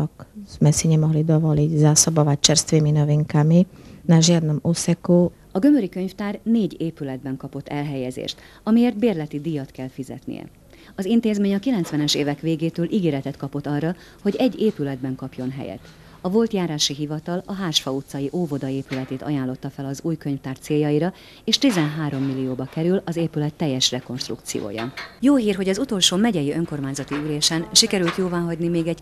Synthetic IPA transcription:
kmɛsiɲimɔɦlid̪ovɔliːɟzaːsobovaːt͡ʃɛɾst̪ʋiminoviŋkaminaʒiad̪nɔmusɛkoː | ɒɡø̞møɾikø̞ɲft̪aːrneːɟeːpylɛd̪̚bɛŋkɒpo̞t̪ːɛlɦɛjɛzḛːʃt̪ | ɒmijeːrd̪beːrlɛt̪id̪ijɒt̪kɛlfizɛ̰t̪nḭjɛ̰ | ɒzint̪eːzmeːɲɒkilɛnsʋɛnɛʃeːvɛkʋeːɡeːt̪øːlʔiɡeːɾɛt̪ɛt̪kɒpo̞t̪ːɒrːɒ | ho̞ɟɛɟːeːpylɛd̪̚bɛŋkɒpjo̞nɦɛ̰jɛ̰t̪ | ɒvo̞lt̪jaːɾaːʃiɦivɒt̪ɒlɒɦaːʃfɒut̪sːɒjiʔoːvo̞d̪ɒeːpylɛt̪eːt̪ɒ̰jaːnlo̞t̪ːɒfɛlɒzuːjkø̞ɲft̪aːrt̪seːjːɒjiɾɒ | eːʃt̪izɛnɦaːɾo̞mːilːijoːbɒkɛɾylɒzeːpylɛt̪ːɛjːɛʃrɛko̞nʃt̪rṵkt̪sḭjo̰ːjɒ̰joːɦiːrɦo̞ɟɒzut̪o̞lʃoːmɛɟɛjiøŋko̞rmaːɲzɒt̪iyleːʃɛnʃikɛɾylt̪joːvaːɦɒɟnimeːɡɛɟ

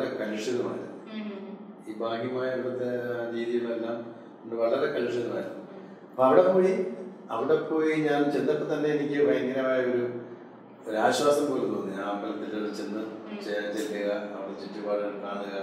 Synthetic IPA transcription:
ɽekɐluʂjɐðɐma̰ːunɨ | iːbaːɡijɐmaːjɐiiɽɐt̪ːeɾiːðijuɭelːaːm | uɳɖɨʋɐɭɐrekɐluʂjɐðɐmaːɾuɨ | ɐpːoɐʋiɽe̞poːɻi | ɐʋiɽepːo̞ːjiɲaːnt͡ɕend̪ɐtːɨt̪ɐnːe̞ːnikʲːɨbɐjɐŋːɐnɐmaːjɐo̞ɾu | oɾaːɕwaːsɐmpoːɾunːuʋɐnːɨaːmbɐlɐt̪ːilːɐɭt͡ɕend̪ɐt͡ɕet͡ɕelːɐɣɐɐʋiɽet͡ɕitːupaːrɐkːaːðɨɣɐ

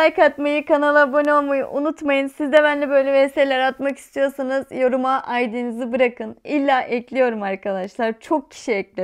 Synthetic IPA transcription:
ajkʰat̪majɯkanalˠabonʲo̞lˠmajɯ̰ʔunut̪majɯnsizd̪ɛbænlʲɛbø̞jlʲɛeselʲæɾat̪maki̥st̪ʰijo̞sanɯz̥jo̞ɾumaʔajd̪inizibɯɾakɯnilʲːaːʔɛclʲijo̞ɾumaɾkʰad̪aʃlˠaɾt͡ʃʰo̞k̚cʰi̥ʃiɛclʲi

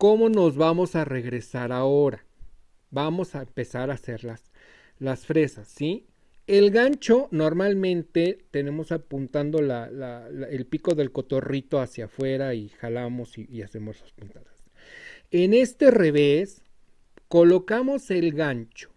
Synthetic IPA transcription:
ko̞mo̞no̞zβamo̞sare̞ɣɾe̞saɾao̞ɾa | bamo̞saempe̞saɾase̞ɾlas | lasfɾe̞sasːi | e̞lɣant͡ʃo̞no̞ɾmalmẽ̞nt̪et̪e̞ne̞mo̞sapunt̪and̪o̞lalalelpiko̞ðe̞lko̞t̪o̞rit̪o̞asjafwe̞ɾaixalamo̞siːase̞mo̞zlaspunt̪aðas | ene̞st̪e̞re̞βes | ko̞lo̞kamo̞se̞lɣant͡ʃo̥

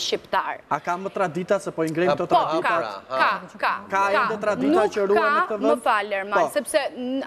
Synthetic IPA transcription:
ʃipt̪aɾakamət̪ɾad̪it̪asɛpɔiŋɡɾɛt̪ɔt̪pak̪ɛtkakakaɛad̪ɛt̪ɾad̪it̪at͡ʃəɾuanɛkt̪əvɛəfalɛɾmaɔsɛpsɛ

